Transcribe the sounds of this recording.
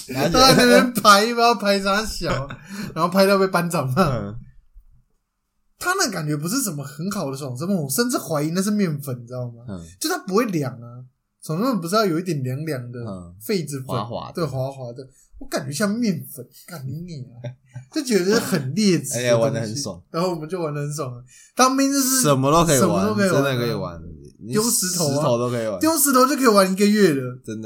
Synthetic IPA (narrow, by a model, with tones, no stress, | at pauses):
a˥a˥n˥˧˩pjɛ˥˧npʰa˧˥ɪpa˥pʰa˧˥ɪsʰa˥ɕjɑ˨˦ʊɻa˧˥nxo˥ʊpʰa˥ɪt̪jʊpe˥˩ɪpa˥nt͡sɑ˨˩ŋma˨˦ | t̪ʰa˥mə˨ka˨˩nt͡ɕɥɛ˧˥p̬u˧˥ʂ̬ɻ̩˥˩ʂ̬ə˨˩mə˦xə˧˥nxɑ˨˩ʊd̪ə˦ʂŋʂ̬ə˥mə˨˩wɔ˨˩ʂə˥˧nʈ͡ʂɻ̩˥˩xwa˧˥ɪi˧˥na˥˧ɪʂɻ̩˥˧mjɛ˥˩nfə˨˩nʈ͡ʂ̩˧˥˩o˥˩ŋma˩jo˥˧˥t̪ʰa˥pu˧˥xwe˥˩ɪljɑ˨˩˦ŋɐ˦ | t͡sʰo˨˩ŋ˥mə˥˩pu˧˥ʂɻ̩˥˧jɑ˥˩jo˨ʊi˥t̪jɛ˨˩nljɑ˧˥ŋljɑ˨˩ŋd̪ə˧fe˥˩ɪd͡zɻ̩˨˩fə˨˧˦wa̰˧˦t̪we˥˩ɪxwa˧˥xwa˧˥˦t̪we˥˩ɪ | wɔ˨˧˦ka˨˩nt͡ɕɥɛ˧˥ɕ̬jɑ˥˧mjɛ˥˩nfə˨˩˦nka˨˩ni˨˧˥ŋni˨˩ɐ˩˦ | t͡ɕjo˥˩ʊt͡ɕɥɛ˧˥d̪ə˧ʂ̩˥˧˩xə˨˩nljɛ˥˩t͡swa˧˦˥ndə˧hə˨˦n˥so̰˨˦ŋa˧˥nho˥˩wɔ˨˩ə˦nt͡ɕjo˥˩wa˧˥nd̪ə˧hə˧˦nʂ̬o˨˩ŋə˦ | t̪ɑ˥ŋpjɛ˥˧nt͡ɕo˥˧ʊʂɻ̩˥˧ə˨˩nmə˦t̪o˥˦kʰə˧˥˨ə˨˩mə˦t̪o˥ʊkʰə˧˥˧aə˨˧kʰə˧˥i˨˩wa̰˧˦n˧jo˥ʊʂɻ̩˧˥t̪ʰo˧˦ʊo˧˦ʊt̪o˥kʰə˧i˨˩wa˧˦t̪jo˥ʊʂ̬ɻ̩ʰ˧˥o˧ʊt͡ɕo˥˩kʰi˨˩wa˧˥ni˧˥ɡə˧ɥɛ˥˩d̪ə˩ə˦nd̪ə˨